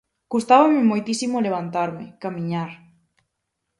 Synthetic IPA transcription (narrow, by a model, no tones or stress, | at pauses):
kust̪aβamɪmojt̪isimoleβ̞ant̪aɾmɪ̰kamĩɲaɾ